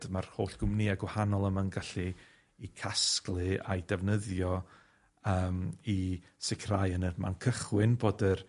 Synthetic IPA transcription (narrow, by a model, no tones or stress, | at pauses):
d̥marhoːɬɡ̥ʊmniaɡwahanɔlˠəmanɡaɬiː | kʰasklˠɨa̰jdɛvnəðjɔ | əːmisɪkʰrajənəma̰nkʰəχwɨnboːdər